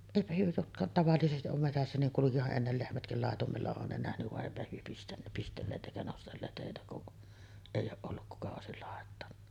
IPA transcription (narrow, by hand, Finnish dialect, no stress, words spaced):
eˑipæ hyø jotkɑ tɑʋɑlːisestiʔ ʔom metæsːæ niŋ kulukihɑʔ ʔenːel lehmætkil lɑˑetumelːɑ on ne næhnyʋ ʋɑʔ ʔeˑipæ hyø pistæn pistelːeːt ʔeˑikæ nostelːeːt heˑitæ kuʔ eˑijˑ oːʔ ʔolːuk kukɑ oˑesil lɑˑetːɑnːɑ